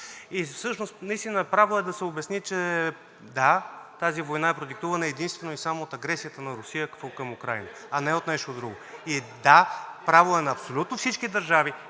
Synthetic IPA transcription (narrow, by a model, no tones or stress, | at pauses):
ifsɤʃnost̪nɐist̪inəpɾavoɛd̪ɐsɛobɛsnit͡ʃɛ | d̪at̪azivojnaɛpɾod̪ik̚t̪uvɐnəɛd̪inst̪vɛnoisamoot̪ɐɡɾɛsijət̪ənɐɾʊsijəkkəmʊkɾajnəɐnɛot̪nɛʃt̪od̪ɾuɡʊid̪apɾavoɛnɐːpsolʲut̪nofsit͡ʃkid̪ɐɾʒavi